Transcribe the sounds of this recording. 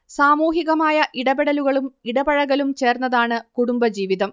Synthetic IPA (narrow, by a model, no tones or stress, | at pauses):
saːmuːɦiɣɐmaːjɐʔiɽɐbeɽɐluɣɐɭumiɽɐbɐɻɐɣɐlumt͡ɕe̞ːrnːɐðaːɳɨkuɽumbɐd͡ʑiːʋiðɐm